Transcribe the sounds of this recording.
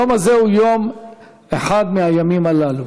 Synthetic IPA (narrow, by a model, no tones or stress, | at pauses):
omazehujom | eħad̪meajamimalalu